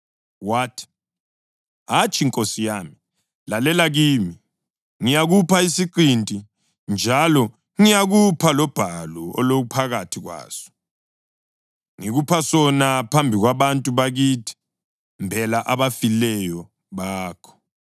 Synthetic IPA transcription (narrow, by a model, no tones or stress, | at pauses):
waːtʰi̥ | ɦat͡ʃʰʼiŋkʼosijaːmi | lalɛlaɣiːmi | ŋijaɣupʰaisiǃintʼi | nd͡ʒʱalɔ | ŋijaɣupʰalɔb̥ʱalɔɔ̰loɣ̬upʰaɣatʰiɣwa̰ːsɔ̥ | ŋiɣupʰasɔnapʰambʱiɣwaβantʼuβaɣiːtʰi̥ | mbʱɛlaʔaβafilɛjɔ | βaːkʰɔ̥